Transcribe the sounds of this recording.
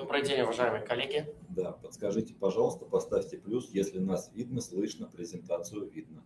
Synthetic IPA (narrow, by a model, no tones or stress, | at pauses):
d̪obɾɨjdʲenʲʊvɐʐajɪmɨjəkɐlʲːeɡʲɪd̪apət̪skɐʐɨtʲɪ̥pɐʐɑlˠəst̪əpɐst̪afʲtʲɪplʲusjesʲlʲɪnasvʲid̪nəslˠɨʂnəpɾʲɪzʲɪnt̪at̪sɨjʊvʲid̪̚nə